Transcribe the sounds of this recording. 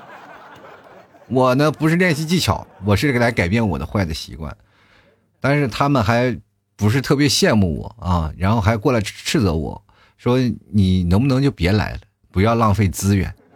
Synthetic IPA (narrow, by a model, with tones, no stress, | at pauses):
wɔ˨˩nə˦pu˧˥ʂɻ̩˥˧ljɛ˥˧nɕi˥˧t͡ɕi˥˩t͡ɕʰjɑ̰˨˩˦ʊwɔ˨˩ʂɻ̩˥˩ke˥˩la˧˥ɪka˨˩ɪpjɛ˥˩nwɔ̰˨˩d̪ə˦xwa˥˩ɪd̪ə˩ɕḭ˧˥kwa̰˥˩n | t̪a˥˧nʂɻ̩˥˩t̪ʰa˥mə˨nxa˧˥ɪ | pu˧˥ʂ̬ɻ̩˥˧t̪ʰɤ˥˩pjɛ˧˥ɕjɛ˥˧nmu˥˩wɔ̰˨˩˦ɐ˥˧ɻa˧˥nxo˥˧ʊxa˧˥˧kwɔ˥˩la˧˥ɪ˥ʈ͡ʂʰɻ̩˥˩˧t͡sɤ˧˥wɔ̰˨˩˦ | ʂwɔ˥ni˨˩nɤ˧˥ŋpu˧nɤ˧˥ŋt͡ɕjo˥˩ʊpjɛ˧˥la̰˧˥ɪlə˧ | pu˧˥jɑ˥˧ʊlɑ˥˧ŋfe˥˩ɪt͡sɹ̩˥ɥɛ̰˨˩˦n